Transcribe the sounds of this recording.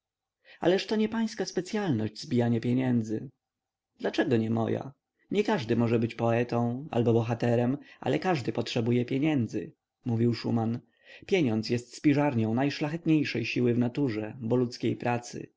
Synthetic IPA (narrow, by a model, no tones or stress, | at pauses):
a̰lɛʂt̪ɔɲɛpaj̃skaspɛt̪sʲjalnɔʑd͡ʑzbʲijaɲapʲjɛɲɛnd̪zɘ | d̪̥lat͡ʂɛɡɔɲɛmɔ̰ja̰ | ɲɛkaʐd̪ɘmɔʐɛbɘt͡ɕpɔɛt̪ɔ̃w̃a̰lbɔbɔxat̪ɛɾɛmʔa̰lɛkaʐd̪ɘpɔtʂɛbujɛpʲjeɲɛnd̪zɘ̰ | muvʲiwʂṵman | pʲjeɲɔnt̪sʲjɛst̪spʲiʐaɾɲɔ̃w̃najʂlaxɛt̪ɲejʂɛjɕiwɘvnat̪uʐɛbɔlut̪skʲejpɾat̪sɘ̰